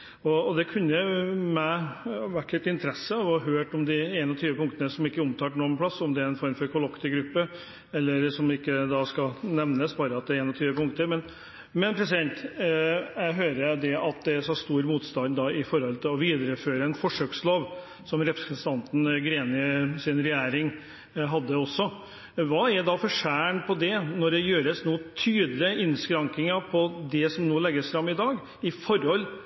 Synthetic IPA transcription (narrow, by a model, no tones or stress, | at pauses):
ɔːd̪ɛkʰʉnːəmæɪʋæʈːlɪt̪ɪnt̪əɾɛsːəɑʋhɑɦøːʈɔmd̪ɪeːnɔt̪ʰyːʋəpʰʊŋkt̪ənəsɔmɪkːəʊmt̪ʰɑːʈnoːənpʰɽɑsːɔmd̪ɛæɾɛnfɔɾmfɔɾkʰʊlɔkt̪ɪɡɾʉpːə | ɛlːəɾsɔmɪkːəd̪ɑskɑnɛʋnəsbɑːɾəɑt̪̚d̪ɛɾeːnɔt̪ʰyːʋəpʊŋkt̪əɾmɛn | mɛnpʰɾɛsɪd̪ɛnt̪ | jæɦøːɾəd̪ɛʔɑt̪̚d̪ɛsɔst̪uːɾmuːt̪st̪ɑnd̪d̪ɑɪfɔɾhɔlt̪ʰɪlɔʋiːd̪ɾəføːɾəɛnfɔʂøːksloːʋ | sɔmɾɛpɾɛsənt̪ʰɑnt̪n̩ɡɾeːnɪəsɪnɾɛjæːɾɪŋ | ɦɑd̪ːəɔsːɔ | ʋɑːɛd̪ɑfɔʂæːɳpʰɔd̪ɛnɔɖɛjøːɾəsnoːt̪ʰyːd̪lɪəɪnskɾɑŋkɪŋəpʰɔd̪ɛsɔmnoːlɛɡːəsfɾɑmːɪd̪ɑːɡ | ɪfɔɾhɔlː